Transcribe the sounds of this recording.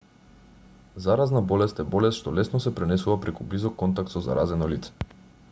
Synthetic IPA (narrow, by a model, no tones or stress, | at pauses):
zaɾaznabɔlɛst̪ɛbɔlɛst̪ʃt̪ɔlɛsnɔsɛpɾɛnɛsuvapɾɛkublizɔkːɔnt̪ak̚t̪sɔza̰ɾʔazɛnɔlit̪sɛ̥